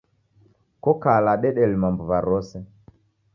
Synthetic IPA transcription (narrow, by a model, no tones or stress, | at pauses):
kɔkalaɗɛɗɛlimambuvaɾɔsɛ